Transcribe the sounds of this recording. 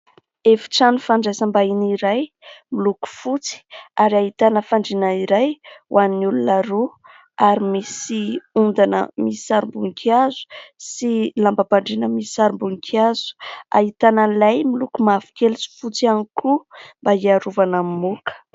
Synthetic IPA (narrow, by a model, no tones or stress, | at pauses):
efi̥ʈ͡ʂanufaɳɖ͡ʐasambainiɾaj | miluku̥fut͡si̥aɾiaɦit̪anəfaɳɖ͡ʐinaiɾajwʔannulunaɾu | aɾimisiund̪anə̰misaɾimbuŋkʰiazu̥silambabaɳɖ͡ʐinəmisaɾimbuŋkʰiaz̥u̥a̰ɦit̪anəlajmilukumafi̥kelsi̥fut͡sianikʰumbaiaɾuvanamimukə̥